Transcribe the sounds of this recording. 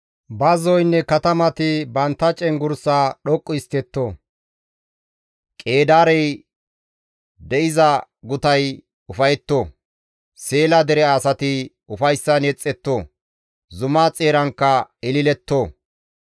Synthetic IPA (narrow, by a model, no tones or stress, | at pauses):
bɐzɔjnːɛkɐt̪ɐmɐt̪ɪbɐnt̪ːɐt͡ʃʼɛŋɡʊɾsaːɗɔkʼːʊɪst̪ɛt̪ːoː | kʼeːd̪aːɾɛj | d̪ɛʔɪzɐ | ɡʊt̪ɐj | ʊfɐjɛt̪ːo | seːlɐd̪ɛɾɛɐsɐt̪ɪ | ʊfɐjsːɐnɛt͡sʼːɛt̪ːoː | zʊmaːt͡sʼeːɾɐŋkːɐɪlɪlɛt̪ːoː